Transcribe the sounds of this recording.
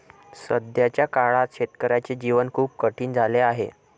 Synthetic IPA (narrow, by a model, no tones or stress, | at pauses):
səd̪jat͡ɕjakaɭat̪ɕet̪kəɾat͡ɕed͡ʑiʋənkʰuːp̚kəʈʰiːnd͡zʱaleaɦḛ